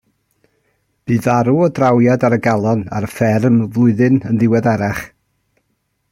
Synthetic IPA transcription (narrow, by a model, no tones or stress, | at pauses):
b̥ɨːðaɾuɔdrawjadaɾəɡalˠɔna̰ɾəfɛrmvlˠʊɨðɨnənðɪwɛdaɾaχ